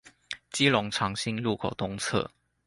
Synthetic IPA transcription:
t͡ɕi˥lʊ˧˥ŋʈ͡ʂʰɑ˧˥ŋɕi˥ŋlu˥˩kʰo˨˩ʊt̪ʊ˥ŋt͡sʰɤ̰˥˩

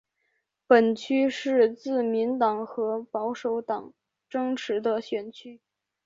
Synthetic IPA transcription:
pə˨˩nt͡ɕʰy˥ʂɻ̩˥˧t͡sɹ̩˥˩mi˧˥nt̪ɑ˨˩ŋxɤ˧˥pɑ˧˥ʊʂo˧˥ʊt̪ɑ˨˩˦ŋ | ʈ͡ʂɤ˥ŋʈ͡ʂʰɻ̩˧˥d̪ə˧ɕɥɛ˨˩nt͡ɕʰy˥

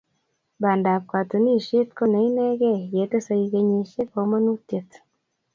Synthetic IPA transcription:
ba˨nda˨βkwa˨tu˨ni˦˨ʃe˦tko˦na˨˦i˦ne˦ɣe˦je˨˦te˦sa˦i˧ɣe˦ɲe˨ʃe˦ko˨˦mo˦nu˦te˨t

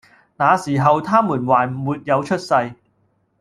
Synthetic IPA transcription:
naː˨˧siː˨˩ɦɐ˨wt̪ʰaː˥muː˨˩nwaː˨˩nm̩˨˩muː˨t̚jɐ˨˧wt͡ʃʰɵ˥t̚sɐ˧j

